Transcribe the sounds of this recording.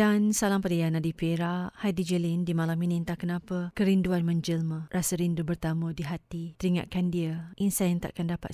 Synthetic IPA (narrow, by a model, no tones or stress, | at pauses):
dansalampadajanadipeɾahadid͡ʒəlindimalaminĩnt̪ahkənapəkəɾinduanmə̃ɲd͡ʒəlmə̃rasəɾindubərt̪amədiɦat̪it̪əɾiŋa̰ʔ̚kandiəʔinsajant̪a̰ʔakandapa̰t̪